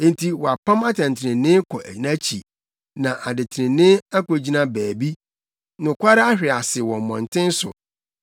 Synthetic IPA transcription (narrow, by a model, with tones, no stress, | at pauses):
ẽ˦n˦tʰi˦wɔ˨a˨pʰã˦ma˦tʰã˨n˨tʰɪ˨ɾɪ̃˨nɪ̃˦kʰɔ˨ʔæ̰˨i˨nã˦t͡ɕʰḭ˨ | nã˨ʔa˨dɪ˨tʰɪ˨ɾɪ̃˨nɪ̃˦a˦ko˨d͡ʑi˦nã˦bæː˨bi˦ | nʊ̃˨kʷʰa˦ɾɪ˦a˦hᶣɪ˨a˨sɪ˨wɔ̃˨m˨mɔ̃˨n˨tʰɪ̃˦n̩˦sʊ̰˨